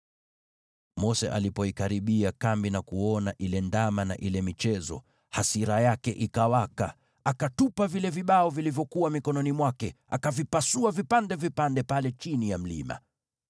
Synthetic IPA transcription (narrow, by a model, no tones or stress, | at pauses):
mɔsɛ̰ʔa̰lipɔikaɾiɓiakambinakuɔnaʔilɛndamana̰ʔilɛmit͡ʃɛzɔ̰ | hasiɾajakɛʔikawaka̰ | akatupavilɛviɓaɔvilivjɔkuwamikɔnɔnimwakɛ | akavipasuavipandɛvipandɛpalɛt͡ʃinijam̩lḭma̰